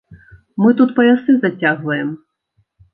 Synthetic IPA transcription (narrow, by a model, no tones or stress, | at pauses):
mɨt̪ut̪pɐjʲasɨzɐt͡sʲaɣʋɐjɛm